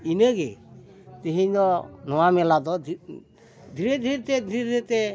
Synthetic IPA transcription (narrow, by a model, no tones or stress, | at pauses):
inəɡɛ̰ | t̪iɦiɲd̪ɔnɔwamɛlad̪ɔ | d̪ʱiɾed̪ʱiɾɛt̪ɛd̪ʱiɾed̪iɾɛt̪ɛ